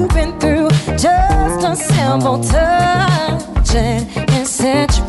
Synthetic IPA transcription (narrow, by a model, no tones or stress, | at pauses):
pɨ̃nθɹʉd̥d͡ʒʌstəsɪ̃lbl̩ˠtʰʌ | d͡ʒɪ̃nɨ̃nsʌt͡ʃ